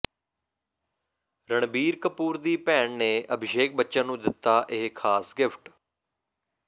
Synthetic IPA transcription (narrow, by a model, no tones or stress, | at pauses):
ɾəɳbiːɾkəpuːɾd̪iːpɛːɳneːʔəbʱɪʃeːk̚bətːʃãːnũːd̪ɪt̪ːaːʔɪɦkʰaːsɡɪpʰʈ